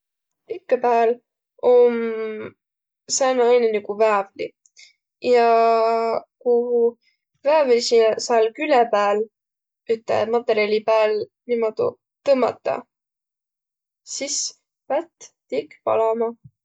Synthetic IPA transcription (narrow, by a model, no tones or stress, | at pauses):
pikːɑpæːl | om | sæːnɑɑjnenikuvævlḭ | jɑ | kuhu | vævlsisɑlkylɛpæːl | yt̪ːˑḛmɑt̪ːˑeɾiɑlʲipæːl | nimod̪ṵ | t̪ɤmːɑ̰t̪ːˑɑ̰ | sis | pæt̪ːt̪ikpɑ̰lɑmɑ